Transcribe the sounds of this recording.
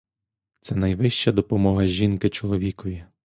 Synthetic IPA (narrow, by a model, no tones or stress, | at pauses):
t̪sɛnɐjʋɪʃt͡ʃɐd̪ɔpɔmɔɦɐʒinkɪt͡ʃɔlˠɔʋʲikɔjʲi